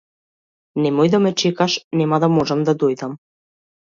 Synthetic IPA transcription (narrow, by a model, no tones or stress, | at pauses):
nemojd̪ɑmə̆t͡ɕekɑʃnemɑd̪ɑmoʒɑmd̪ɑd̪ojd̪ɑm